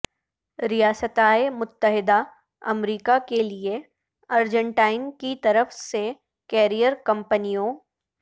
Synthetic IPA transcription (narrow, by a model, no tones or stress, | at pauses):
ɾijaːsət̪aːemʊt̪ːəɦɪd̪a | ɐ̰mɾiːkakelie | ɐɾd͡ʒə̃ɳʈaːɪnkit̪ɐɾəfse | kɛːɾijəɾkɐ̃mpənijõ